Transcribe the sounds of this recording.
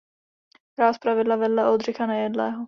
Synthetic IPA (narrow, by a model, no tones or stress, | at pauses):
kɾaːspɾavɪlːavɛlːɛʔod̪ʒɪxanɛjɛd̪lɛːɦɔ